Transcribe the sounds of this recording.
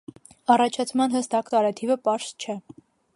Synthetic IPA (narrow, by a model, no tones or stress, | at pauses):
ɑrɑt͡ʃʰɑt͡sʰmɑnɦəst̪ɑkt̪ɑɾɛt̪ʰivəpɑɾst͡ʃʰɛ